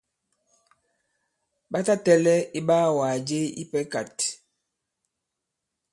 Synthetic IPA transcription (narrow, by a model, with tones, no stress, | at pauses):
ɓa˦ta˦tɛ˦lɛ˦i˦ɓaː˦˨wa˨d͡ʒe˦ḭ˦pɛ˦ka˨t